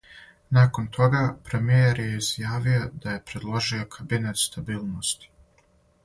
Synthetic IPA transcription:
naːko̞nt̪ʰo̞ɡapɾe̞mijeɾjeizjaːʋio̞d̪̥aje̞pɾe̞d̪lˠo̞ʒio̞kʰabinat̪st̪abiːlˠno̞st̪i̥

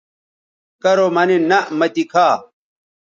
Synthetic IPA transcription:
kɐɾomɐninɐʔmɐt̪ikʰaː

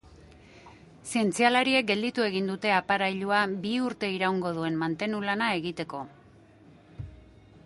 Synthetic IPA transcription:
sie̞nt͡sialaɾie̞k̚ɡe̞ld̪it̪ue̞ɣ̞ind̪ut̪e̞apaɾajʎuabiuɾt̪e̞iɾauŋɡo̞ð̞ue̞nmant̪e̞nulanae̞ɣit̪e̞ko̞

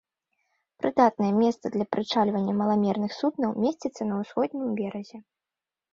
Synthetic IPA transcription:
pɾɨd̪at̪̚nɐjɛmʲɛst̪sɐd̪lʲɐpɾʔɨt͡ʂalʲvɐnʲːɐmɐlˠamʲɛrnɨxsubnɐwmʲesʲt͡sʲit̪sːɐnɐwsxɔd̪̚ʲnʲimbʲɛɾɐzʲɛ

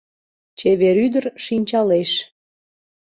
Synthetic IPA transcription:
t͡ɕeβeɾyd̪ərʃinʲt͡ɕɑleʃ

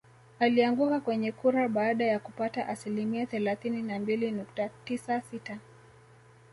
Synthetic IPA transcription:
aliaŋɡukakwɛɲɛkuɾaɓaːɗajakupataʔasilimiaθɛlaθininambilinuk̚tatisasita

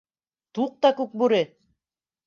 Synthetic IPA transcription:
t̪uq̚t̪ɑkʉk̚buɾɘ

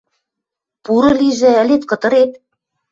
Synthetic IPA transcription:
puɾɤ̆liʒɘ̆ɘ̆let̪kɤ̆t̪ɤ̆ɾet̪̚

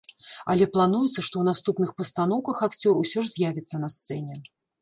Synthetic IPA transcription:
ɐlʲɛplˠanujɛt̪sɐʂt̪ɔwnast̪upnɨxpɐst̪an̪ɔwkɐxakt͡sʲɔrusʲɔʂzʲjavʲit̪sːɐnɐst̪sɛnʲɛ

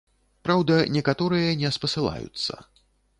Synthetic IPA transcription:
pɾawd̪ɐnʲɛkat̪ɔɾɨjɐnʲɛspɐsɨlˠa̰jṵt̪sːɐ̰

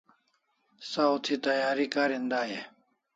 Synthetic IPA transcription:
saut̪ʰit̪ɐjaːɾikaːɾind̪aːje

